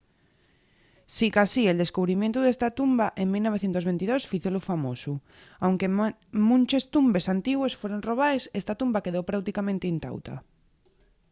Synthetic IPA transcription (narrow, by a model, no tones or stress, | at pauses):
sikasield̪e̞skuβɾimjẽnt̪uðest̪at̪umbaʔeŋmilnoβ̞eθjent̪ozβent̪iðosfiθolofamosu | awŋkemũnt͡ʃest̪umbe̞sant̪iɣwesfweɾonroβ̞aesest̪at̪umbake̞ðowpɾawt̪ikamẽnt̪eint̪a̰wt̪a̰